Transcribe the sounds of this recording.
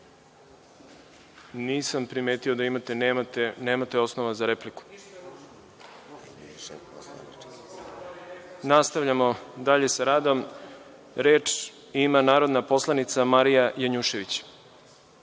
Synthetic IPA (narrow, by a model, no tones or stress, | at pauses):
niːsampɾime̞ːt̪iod̪aimat̪e̞nmat̪eneːmat̪eo̞snoʋazaɾe̞pliku̥ | nast̪aʋʎamo̞d̪aʎe̞saɾaːd̪o̞m | ɾe̞ːt͡ʂ | imanaːɾo̞d̪napo̞slˠanit̪samaɾijajaɲuʃe̞ʋit͡ɕ